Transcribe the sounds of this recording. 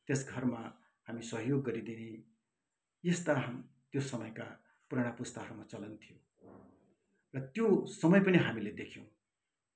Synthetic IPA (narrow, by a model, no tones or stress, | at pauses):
t̪esɡʱʌrma | hamisʌɦjoɡːʌɾid̪ini | jest̪aɦam | t̪josʌmʌjka | puɾaɽ̃apust̪ʌɦʌrmat͡sʌlʌnt̪ʰijo | rʌt̪josʌmʌjpʌniɦamiled̪ekʰjõ̰w̃